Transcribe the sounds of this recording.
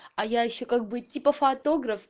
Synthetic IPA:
ɐjaːʃɐkɐk̚bɨt̪ʲːipɐfat̪oɡɾɐf

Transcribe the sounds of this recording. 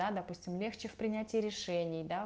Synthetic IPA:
ad̪ɐpusʲtʲɪmlʲe̞xt͡ɕɪfpɾʲɪnʲætʲɪɾʲɪʂɛnʲɪjd̪a

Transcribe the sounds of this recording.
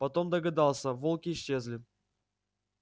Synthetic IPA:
pɐt̪o̞md̪əɡɐd̪ɑlˠsʲəvolˠkʲɪːɕːezʲlʲɪ

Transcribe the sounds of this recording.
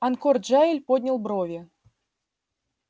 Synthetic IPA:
ɐnkɔrd͡ʒailʲpɔd̪ʲnʲɐlˠbɾɔvʲɛ

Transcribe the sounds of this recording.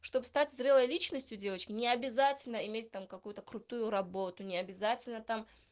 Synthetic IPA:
ʂt̪o̞bɨst̪atʲzɾʲelˠəjlʲit͡ɕnəsʲtʲjʊdʲe̞vət͡ɕkʲɪnʲɪɐbʲɪzatʲɪlʲnəɪmʲetʲt̪amkɐkujʊt̪əkɾʊt̪ujʊɾɐbo̞t̪ʊnʲɪɐbʲɪzatʲɪlʲnət̪am

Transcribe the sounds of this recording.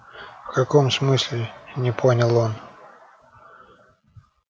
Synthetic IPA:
fkɐko̞msmɨsʲlʲɪnʲɪpʰonʲɪlˠo̞n

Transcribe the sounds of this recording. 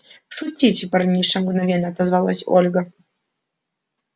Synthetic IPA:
ʂut͡sʲit͡sʲɪpɐrnʲiʂɐmɡnɐvʲɛnːɐt̪ɐzvalˠa̰sʲɔ̰lʲɡɐ

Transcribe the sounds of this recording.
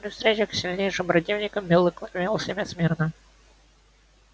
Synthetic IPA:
ɾʲɪfst̪ɾʲet͡ɕəxksʲɪlʲnʲejʂɨmpɾɐt̪ʲivnʲɪkəmːʲɪlˠɨkmʲelˠəsʲɪmʲɛt̪smʲirnə

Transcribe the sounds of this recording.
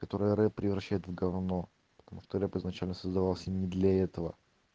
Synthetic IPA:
kɐt̪o̞ɾɨjəɾɛpːɾʲɪvɾɐɕːæjɪt̪vɡɐvno | pə̥t̪ɐmuʂt̪oɾɛpɨznɐt͡ɕælʲnəsəzd̪ɐvalˠsʲənʲɪd̪lʲɐɛt̪əvə̰

